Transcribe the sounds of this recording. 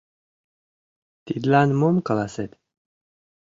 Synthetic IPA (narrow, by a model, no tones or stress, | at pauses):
t̪id̪lanmomkalaset̪